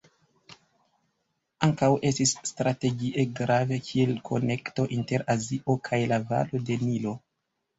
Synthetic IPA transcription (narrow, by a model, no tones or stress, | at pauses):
aŋkawʔe̞stisːtɾate̞ɡiʔe̞ɡɾave̞kʰie̞lkʰo̞̰ne̞kto̞ʔinte̞ɾaziʔo̞kʰajlava̰lo̞de̞nilo̞